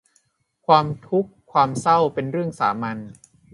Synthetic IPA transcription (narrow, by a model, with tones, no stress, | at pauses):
kʰwaː˧mt̪ʰu˦˥kʰːwaː˧msa˥˩wpe˧nɾɯ˥˩əŋsa̰ː˩˦ma˧n